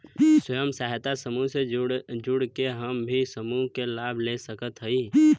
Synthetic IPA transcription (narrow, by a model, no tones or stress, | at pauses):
sʊjəmsaːɦt̪asəmused͡ʒʊɽkeɦəmbʱisəmukelaːbʱlesəkət̪ɦəi